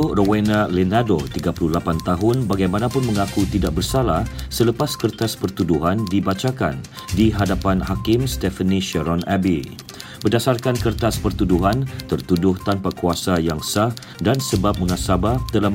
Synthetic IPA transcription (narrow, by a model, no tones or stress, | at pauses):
rowanãlɛnadot̪iɡapululapant̪aɦʊnbaɡajmanãpʊnmə̃ŋakut̪idaʔ̚bərsalahsələpaskərt̪aspərt̪uduɦandibat͡ʃaka̰n | diɦadapanɦakɪmst̪ɛfənĩʃəɾɔnabi | bərdasarkankərt̪aspərt̪uduɦant̪ərt̪udʊht̪anpakuasajaŋsah | dansəbap̚məŋasabat̪əla